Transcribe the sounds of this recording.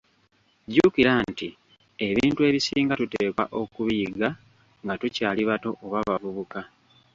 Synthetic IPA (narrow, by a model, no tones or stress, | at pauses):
ɟukiɾanti | e̞βiːntue̞βisiːŋɡatuteːkwaʔo̞kuβijiɡa | ŋɡatucaːliβato̞ʔoβaβavuβuka